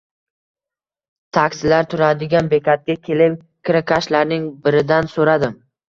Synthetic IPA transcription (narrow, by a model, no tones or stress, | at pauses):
t̪ʰakʲsɪlaɾt̪ʰʊɾad̪ɪɡʲanbekʰʲat̪̚ɡʲakʲʰe̞lɪp | kʰʲɪɾakʰaʃlaɾnɪŋbɪɾɪd̪ansoɾad̪ɪm